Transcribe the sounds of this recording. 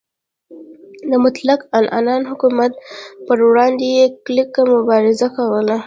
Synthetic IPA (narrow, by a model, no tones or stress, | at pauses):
d̪əmʊt̪lakalʔɑ̰nɑnɦʊkumat̪̚pəɾwɽɑnd̪ejeklɪkːamʊbɑɾɪzakawəla